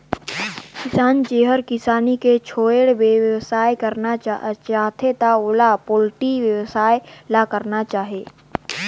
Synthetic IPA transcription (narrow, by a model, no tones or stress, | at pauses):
kɪsaːnt͡ʃeːɦəɾkɪsaːniket͡ʃʰoːeɽbeʋjʋsaːekəɾnaat͡ʃaːt̪ʰet̪aʊlapoːlʈiʋjəʋsaːelakəɾnat͡ʃaːɦeː